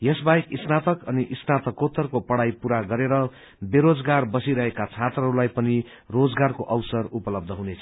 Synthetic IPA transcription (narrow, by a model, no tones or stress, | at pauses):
jʌsbajkisnat̪ʌkʌniʔisnat̪ʌkot̪ːʌrkopʌɽajpuɾaɡʌɾeɾʌ | beɾod͡zɡarbʌsiɾʌɦekat͡sʰat̪rʌɦːɾulajpʌni | rod͡zɡarkoʔʌwsʌrupʌlʌb̚d̪ʱʌɦunet͡sʰʌ̥